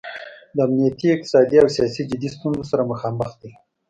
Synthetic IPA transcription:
d̪əamnijat̪iɪq̚t̪ɪ̥sɑd̪iawsijɑsid͡ʒɪd̪ist̪unzosaɾaməxɑməxt̪̚d̪i

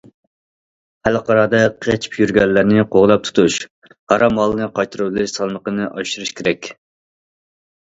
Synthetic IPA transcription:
hælqɑɾɑːd̪ɑqʰet͡ʃʰi̥pjyɾɡʲɛlːɪɾnɪqʰoʁlˠɑp̚t̪ʰu̥t̪ʰuʃ | hɑɾɑmɑlˠːɨnɨqʰɑjt̪ʰɨɾɨbɨlˠɪʃsɑlˠməqənɨʔɑʃuɾuʃkʲʰeɾɛkʲ

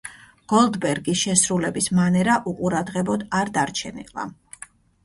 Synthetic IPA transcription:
ɡ̥ɔlˠd̪bɛɾɡisʃɛsɾulɛbismanɛɾaʔuqʼuɾad̪ʁɛbɔd̪aɾd̪aɾt͡ʃʰɛnḭlˠa̰

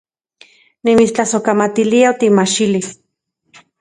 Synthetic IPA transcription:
nimit͡st͡ɬasokamat̪iliaot̪imat͡ʃilis

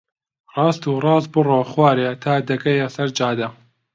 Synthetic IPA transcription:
rˤɑːst̪uːrɑːs̚bɨroːxwaːɾet̪ʰaːd̪ɐkɐjɐsɐɾd͡ʒaːd̪ɐ

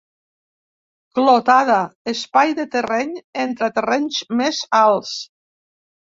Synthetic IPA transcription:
klot̪aðaespajðet̪erɛɲent̪ɾat̪erɛɲzmezalˠs

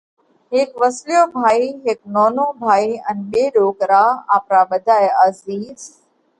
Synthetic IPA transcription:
ɦɪkʋəslijoːbʱaːiːɦɪk̚noːnoːbʱaːiənɓeːɗoːkɾaːaːpɾaːɓəd̪ʱaːjaziːz

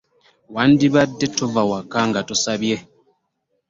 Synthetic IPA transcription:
wandiβadːetovawakaŋɡatusaβje

